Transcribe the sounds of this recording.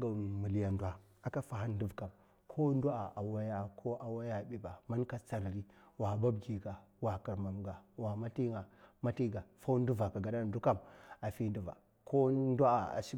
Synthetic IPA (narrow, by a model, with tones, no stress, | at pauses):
ɡa˨mu˨li˨ja˨ndwa˦ | a˨ka˦fa˨ha˦n˦du˦vka˨m | kʰo˦ndu˦a˨a˨wa˦ja˦kʰo˦ʔa˨wa˦ja˦˨bi˨ba˨ma˦nka˦t͡sa˨ɾɾi˦wa˨ba˦bɡi˨ɡa˨wa˨ka˨ɾma˨mɡa˨wa˨ma˦ti˦ŋɡa˨ma˦ti˦ɡa˨fa˦u˦n˦du˦va˨ka˨ɡa˨da˦˨˦du˦ka˦ma˨fi˦n˦du˦va̰˨ | kʰo˦ndʷa˦˨a̰˨ʃi˦